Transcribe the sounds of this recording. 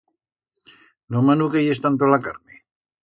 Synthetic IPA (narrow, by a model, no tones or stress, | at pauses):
nomanukejest̪ant̪olakaɾne